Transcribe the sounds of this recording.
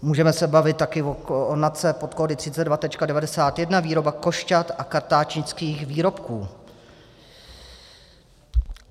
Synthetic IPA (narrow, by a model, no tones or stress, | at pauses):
muːʒɛmɛsɛbavɪt̪̚ːakɪvoonat͡sɛpot̪kodɪt̪r̝̥ɪt͡sɛt̪dvat̪ɛt͡ʃkadɛvadɛsaːt̪jɛdnaviːɾo̞bako̞ʃcat̪ʔakaɾt̪aːt͡ʃɲɪt͡skiːxviːɾo̞pkuː